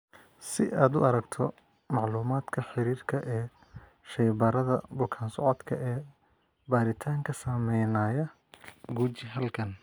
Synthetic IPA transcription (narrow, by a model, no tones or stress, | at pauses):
sɪ̰ʔaːd̪ʊɐɾɐɡt̪ʰɔ | mɑʕluːmaːd̪kʰɐħɪɾiːrkʰɐʔɛː | ʃɛjbɐɾɐðɐ̰bʊkʰaːnsɔʕɔd̪kʰɐ̰ʔɛː | baːɾɪt̪ʰaːŋkʰɐsɐmɛjnaːjɐ | ɡuːt͡ʃɪɦɐlkʰɐn